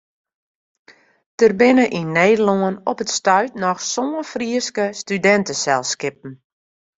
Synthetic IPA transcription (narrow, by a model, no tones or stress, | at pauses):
tərbɪnəʔinːeːdəloənɔpətstœɥtnɔxsoənfriəskəstydɛntəsɛlˠskɪp̚n̩